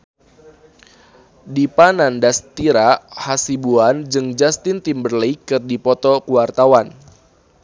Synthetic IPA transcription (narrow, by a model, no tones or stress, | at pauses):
dipanandast̪iɾahasibuand͡ʒɨŋd͡ʒast̪ɪnt̪imbərləjkɨrdipɔt̪ɔkuwart̪awan